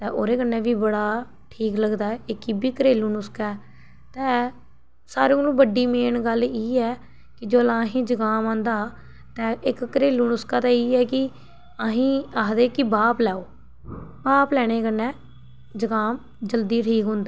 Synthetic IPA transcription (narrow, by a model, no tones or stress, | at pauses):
t̪ɛ̃ːʔoːɾeːkənːɛ̃ːʋiːbəɽaː | ʈʰiːkləɡd̪aːɛɪkiːbiːkəɾeːluːnʊskɛː | t̪ɛ̃ː | saːɾẽːlũːbəɖiːmeːnɡəliːɛː | kɪd͡ʒoːlaɦĩːd͡ʒəɡaːmãːnd̪aː | t̪ɛ̃ːʔɪkːəɾeːluːnʊskaːt̪ãːiːɛːkɪ | əɦĩːaːɦd̪eːkibaːplɛːoː | baːplɛːɽ̃eːkənːɛ̃ː | d͡ʒəɡaːm | d͡ʒəld̪iːʈʰiːkɦʊ̃nd̪aː